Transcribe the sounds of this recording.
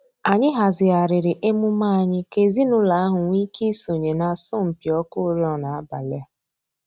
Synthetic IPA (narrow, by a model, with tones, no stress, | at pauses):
a˨ɲɪ˦ɦa˨zɪ˨a˨ɾɪ˨ɾɪ˨ʔe˦mʊ˦ma˦a˨ɲɪ˦ke˨zi˦nʊ˦la˨˦a˦ɦʊ˨ŋʷi˦ki˦so˨ɲe˨na˨sɔ˦m̩˨pjɔ˦kʊ˦ɾjɔ˨na˨a˦ba˨lɪ˦a˦